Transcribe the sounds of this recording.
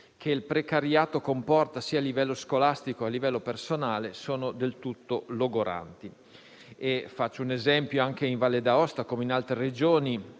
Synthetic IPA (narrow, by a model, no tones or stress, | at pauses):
kʰeilpɾekaɾjaːt̪okompɔrt̪asiːaːlːivɛlːoskolast̪ikoalːivɛlːopersonaːlesoːnod̪elt̪ut̪ːoloɡoɾa̰nt̪i | efat͡ʃːounezɛmpjoaŋkeiɱvalːed̪aɔst̪akomeinalt̪ɾered͡ʒoːni